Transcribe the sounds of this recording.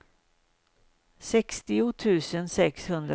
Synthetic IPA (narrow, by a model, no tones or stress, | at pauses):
sɛkst̪ɪʊt̪ʰʉ̟ːsənsɛkshɵnd̪ɾ